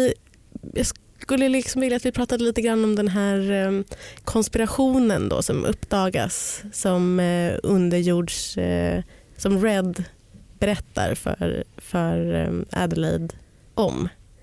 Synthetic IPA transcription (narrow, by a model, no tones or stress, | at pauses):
ɪ | jɑːɡs | kɵlːəlɪksɔmvɪljat̪vɪpʰɾɑːt̪ad̪əliːt̪əɡɾanːɔmd̪ɛnɦæːɾ | kʰɔnspɪɾaɧuːnənd̪ɔ̰sɔ̰mʔɵ̰pːd̪ɑːɡa̰sːɔmɵ̰nd̪əɾjuːɖʂ | sɔmɾɛd̪ | bɛɾɛt̪ʰːa̰ɾfœ̰ɾfœɾa̰d̪əlɛ̰d̪ | ʔɔ̰m